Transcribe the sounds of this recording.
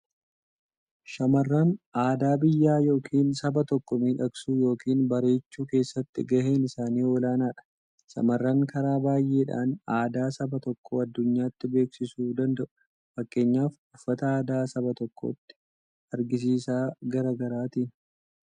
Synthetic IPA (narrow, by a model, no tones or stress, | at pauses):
ʃɐmɐrːɐnʔaːd̪aːbɪjːaːjo̞ːkʰiːnsɐbɐt̪ɔkːɔmiːᶑɐksuːjo̞ːkiːnbɐɾe̞ːt͡ʃːuːke̞ːsːɐt̪ːɪɡɐɦe̞ːnɪsaːniːɔlaːnaːᶑɐ̥ | ʃɐ̰mɐrːɐŋkɐɾaːbaːjʔe̞ːᶑa̰ːnaːd̪aːsɐbɐt̪ɔkːoːɐd̪ːʊɲːaːt̪ːɪbe̞ːksɪsuːd̪ɐnd̪ɐʔʊ̥ | fɐkʼːe̞ːɲːaːf | ʊfːɐt̪ɐaːd̪aːsɐbɐt̪ɔkːo̰ːt̪ːɪ̥ | ɐɾɡɪs̬iːsaːɡɐɾaːɡɐɾaːt̪iːn